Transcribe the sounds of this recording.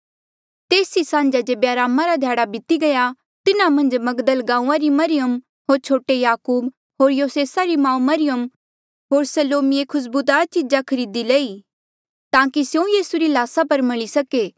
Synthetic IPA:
t̪eːsisãːnd͡ʒad͡ʒebjaːɾaːmãɾad̪ʱjaːɽabɪt̪iɡɐja | t̪ɪnamɐ̃nd͡ʒmɐɡd̪əlɡãːũãɾimɐɾɪjəm | ɦoːɾt͡ʃʰoːʈejaːkuːb | ɦoːɾjoːseːsaɾimãːũmɐɾɪjəm | ɦoːɾsɐloːmiekʰʊs̬buːt̪aːt͡ʃɪd͡ʒakʰɐɾiːd̪ileːi | t̪ãːkisjũjiːsuɾilaːsapɐɾmɐɭisɐkeː

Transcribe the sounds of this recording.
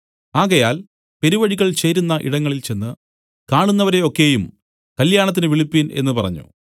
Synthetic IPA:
aːɣɐjaːl | pe̞ɾiʋɐɽiɣɐɭt͡ɕe̞ːɾunːɐʔḭɽɐŋːɐɭilt͡ɕe̞nːɨ | kaːɳunːɐʋɐɾe̞o̞kːe̞ːjum | kɐljaːɳɐt̪̬ːinɨʋiɭipːine̞̰nːɨpɐrɐ̰ɲːṵ

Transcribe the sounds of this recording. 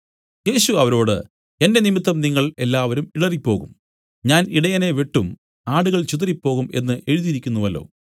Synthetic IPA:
je̞ːɕuɐʋɐɾo̞ːɽɨ̰ | e̞nde̞nimit̪ːɐmniŋːɐɭe̞lːaːʋɐɾumiɽɐripːo̞ːɣṵm | ɲaːniɽɐjɐne̞ʋeʈːum | aːɽuɣɐɭt͡ɕut̪ɐɾipːo̞ːɣume̞nːɨʔe̞ɻuðiɾikʲːunːuʋɐlːo̰ː

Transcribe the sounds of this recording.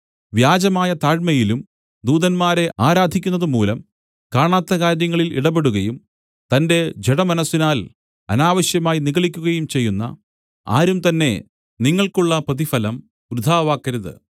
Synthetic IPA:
ʋjaːd͡ʑɐmaːjɐt̪aːɻmɐjilum | d̪uːðɐnmaːɾe̞aːɾaːd̪ʱikʲːunːɐðɨmuːlɐm | kaːɳaːt̪ːɐkaːɾjɐŋːɐɭilʔḭɽɐbe̞ɽuɣɐjum | t̪ɐnde̞d͡ʑeɽɐmɐnɐsːinaːl | ɐ̰naːʋɐɕjɐmaːjiniɣɐɭikʲːuɣɐjumt͡ɕe̞jːunːɐ̰ | a̰ːɾumt̪ɐnːe̞̰ | niŋːɐɭkuɭːɐprɐðifɐlɐm | ɾud̪ʱaːʋaːkːɐɾɐðɨ̰

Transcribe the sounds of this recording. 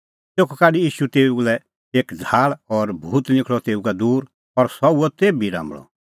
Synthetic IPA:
t̪eːkʰɔkaːɖijiːʃut̪eːulɛ | eːkd͡zʱaːɭɔɾbʱuːt̪nɪ̃kʰɭɔt̪eːukad̪uːɾ | ɔɾsɔuɔt̪eːbiɾã̰ːmɭɔ̰

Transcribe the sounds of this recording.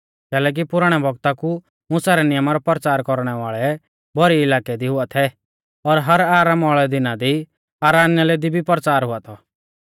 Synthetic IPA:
kɛːlɛːk̬ipʊɾəɽ̃ɛbʱɔɡt̪aku | mʊsaɾɛnɪjəmaɾɔpɔɾt͡ʃaːɾkɔɾɽ̃ɛʋaːɭɛ | bʱɔɾiɪlaːkɛd̪iɦʊat̪ʰɛ | ɔɾɦɐɾaːɾaːmaːɭɛd̪ɪnad̪i | aːɾaːnjalɛd̪ibʱipɾt͡ʃaːɾɦʊat̪ʰɔ

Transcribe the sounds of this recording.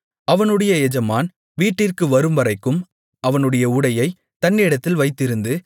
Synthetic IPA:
ʔɐʋɐnɯɽɐjɐɛd͡ʒɐmaːn | ʋiːʈːɪrkɯʋɐɾɯmbɐɾɐɪkːɯm | ʔɐʋɐnɯɽɐjɐʊɽɐjɐɪ | t̪ɐnːɪɪɽɐt̪ːɪlʋɐɪt̪ːɪɾɯnd̪ɯ

